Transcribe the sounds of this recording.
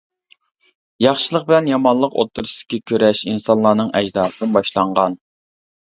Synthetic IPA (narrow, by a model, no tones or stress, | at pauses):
jɑχʃɨlˠəq̚bɪlɛnjɑmɑnlˠəqo̰t̪ʰːuɾsɨd̪ɪ̥kʲʰikʲʰøɾɛʃinsɑnlˠɑːnɨŋʔɛd͡ʒd̪ɑːsɨnɨnbɑʃlˠɑɴʁɑn